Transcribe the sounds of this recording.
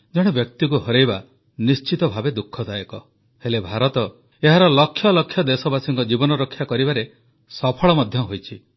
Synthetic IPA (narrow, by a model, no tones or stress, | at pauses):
d͡ʒɔɽ̃ebjɔk̚t̪ik̬uɦɔɾejba | nist͡ʃit̪ɔbʱabed̪ukʰːɔd̪ajɔkɔ | helebʱaɾɔt̪ɔ | eɦaɾɔlɔkʰːjɔlɔkʰjɔd̪esɔbasiŋkɔd͡ʒibɔnɔɾɔkʰːjakɔɾibaɾe | sɔpʰɔɭɔmɔd̪ʱjɔɦojt͡ʃʰi